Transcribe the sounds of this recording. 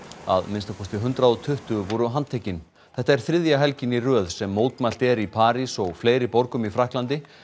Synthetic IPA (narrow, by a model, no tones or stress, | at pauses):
a̰ðmɪnst̪akʰɔst̪ɪɦʏnt̪ɾaðɔt̪ʰʏht̪ʏvɔɾʏɦant̪ʰecɪn | θɛht̪ːaɛɾ̥θɾɪðjaɦɛlcɪnirœːðsɛmːoːwt̪mal̥t̪ɛɾipʰaːɾisɔɣfleːjɾɪpɔɾkʏmifɾahklant̪ɪ